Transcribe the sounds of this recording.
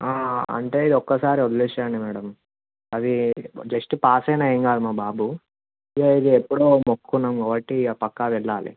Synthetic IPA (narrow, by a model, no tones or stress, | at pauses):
aːɐ̰ɳʈe̞ːid̪iɔkːɐsaːɾiod̪ɐliʃaːɳɖimɛːɽɐm | ɐd̪id͡ʒɐsʈpaːsɐjnaeŋɡaːd̪umaːbaːbu | eid̪iepːuɽoːmokːunːaːmkaːbɐʈːipɐkːaʋɛɭːaːlḭ